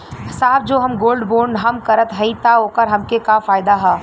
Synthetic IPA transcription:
ɪsaːb̚d͡ʒoːɦɐmɡoːlɖboːɾɳɖɦɐmkɐɾət̪ɦɐit̪aɦoːkəɾɦɐmkekafaːɪd̪aɦa

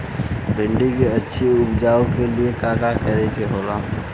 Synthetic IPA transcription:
bɪ̃ɳɖikeətːʃʰiʊpd͡ʒaːokeliekaːkakəɾek̪eɦoːla

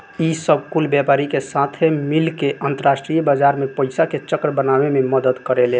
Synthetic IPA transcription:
isəbʱkulbjapaɾikesat̪ʰemilkeʔənt̪əɾasʈɾijbad͡ʒaɾmepəɪsaket͡ʃəkɾəbənabememəd̪əd̪kəɾele

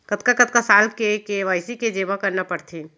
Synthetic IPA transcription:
kət̪kakət̪̚kasaːlkekeʋaːɪsiked͡ʒeːʋakəɾnapəɽt̪ʰi

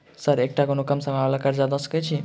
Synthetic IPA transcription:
səɾek̚ʈakonokʌmsəmalakəɾd͡zad̪ʌsə̥kət͡ʃʰi

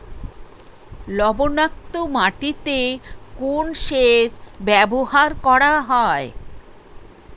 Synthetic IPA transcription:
lɔbonak̚t̪omaʈit̪ekonʃeɾbɛbohaɾkɔɾaɦɔe

